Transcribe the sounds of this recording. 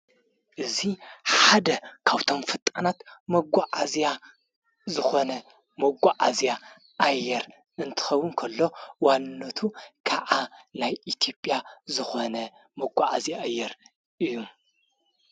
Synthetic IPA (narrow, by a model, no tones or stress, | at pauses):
ʔɨziħad̪ɐkʰaβt̪ʰo̞mfɨt̪ʼɐnat̪mɐɡʷaʕazja | zɨxo̞nɐ | mɐɡʷaʕazija | ʔːjːɛɾ | ɨnt̪ʰɨ̥xɐwːʊnkʰɐlːo̞wanːɐt̪ʰukʰaʔanajʔit̪ʰjo̞pʼjazɨxo̞nɐ | mɐɡʷaʕazjaajːɛɾ | ʔɨjːum